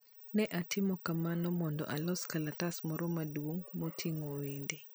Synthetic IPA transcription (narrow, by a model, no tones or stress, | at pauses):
nɛʔatʰɪmɔkamanɔmɔndɔ̰ʔalɔskalatasmɔɾomadwoŋmotʰiŋowende